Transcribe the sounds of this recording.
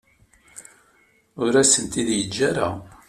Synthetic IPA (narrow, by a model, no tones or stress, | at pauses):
ʊɾæsənt̪iðjəd͡ʒːæɾa